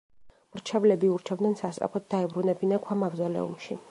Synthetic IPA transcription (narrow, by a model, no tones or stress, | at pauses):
mɾt͡ʃʰɛvlɛbiuɾt͡ʃʰɛbd̪nɛnsast̪ʼɾa̰pʰɔt̪̚d̪aɛbɾunɛbinakʰwamaɡzɔlɛ̰ṵmʃi